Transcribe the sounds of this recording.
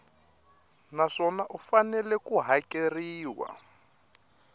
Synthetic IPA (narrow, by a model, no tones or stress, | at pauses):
naʂɔnaʔufanɛlɛkuɦakeriːwa̰